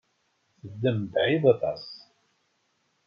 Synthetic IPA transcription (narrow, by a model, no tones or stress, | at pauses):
θəd̪ːəmbʕiðɑt̪ˤɑ̰s